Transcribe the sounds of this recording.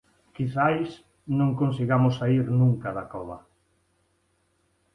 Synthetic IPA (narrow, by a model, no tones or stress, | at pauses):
kiθajs | nõŋkonsiɣamosːaiɾnũŋkaðakɔβɐ̰